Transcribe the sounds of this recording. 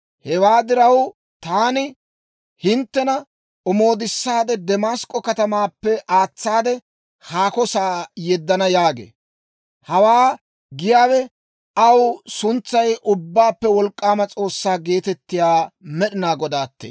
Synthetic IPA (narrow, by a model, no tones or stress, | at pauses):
hɛwaːd̪ɪɾɐw | t̪aːnɪ | hɪnt̪ːɛnɐ | ɔmo̞ːd̪ɪsːaːd̪ɛd̪ɛmaːskʼːɔkɐt̪ɐmaːpːɛʔaːt͡sːaːd̪ɛ | haːkɔsaːjɛd̪ːɐnɐjaːɡḛː | hɐwaː | ɡɪjaːwɛ | ɐwsʊnt͡sːɐjʔʊbːaːpːɛwɔlkʼːaːmɐt͡sʼo̞ːsːaːɡe̞ːt̪ɛt̪ːɪjaːmɛɗɪnaːɡɔd̪aːt̪ːḛː